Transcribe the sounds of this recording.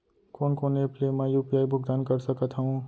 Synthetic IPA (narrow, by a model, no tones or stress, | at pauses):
koːnkoːneːpleːmɛ̃juːpijaːibʱʊkd̪aːnkɐɾsɐkət̪ɦɐũ